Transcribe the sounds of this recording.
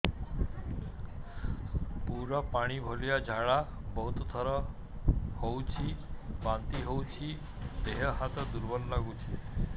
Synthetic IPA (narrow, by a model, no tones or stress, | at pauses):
puɾɔpaɽ̃ibʱoljad͡ʑʱaɭa | bəɦut̪t̪ʰəɾɔ | howt͡ɕʰibant̪iɦowt͡ɕʰi | d̪eɦəɦat̪əd̪uɾbəllaɡut͡ɕʰi